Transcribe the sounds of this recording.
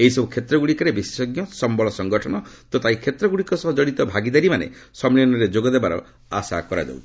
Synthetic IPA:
eɦisɔbukʰet̪ɾɔɡuɽikɔɾebissɔɡjɔsɔmbɔɭɔsɔŋɡɔʈʰɔnɔt̪ot̪aikʰet̪ɾɔɡuɽikɔsɔɦɔd͡ʒɔɽit̪ɔbʱaɡid̪aɾimanḛsɔmliɔnɔɾed͡ʒoɡɔd̪ebaɾɔ̰ | a̰sakɔɾa̰d͡ʒa̰wt̪ʰi̥

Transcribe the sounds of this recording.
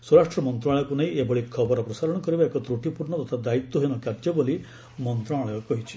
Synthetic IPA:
swɔɾaʂʈɾɔmɔnt̪ɾaɭɔjɔkunaɦĩebɔɭikʰɔbɔɾɔpɾɔsaɾɔɽ̃ɔkɔɾibaekɔt̪ɾuʈipuɾɳɔt̪ɔt̪ʰad̪ait̪wɔɦejnɔkaɾd͡ʒɔboli | mɔnt̪ɾaɭɔjɔkɔɦit͡ʃʰi̥

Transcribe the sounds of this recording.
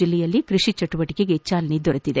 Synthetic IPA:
ilːɛjɐlːikɾiʂit͡ʃɐʈuʋɐʈikeɡet͡ʃːaːlɐnid̪ɔɾɐt̪ːid̪e

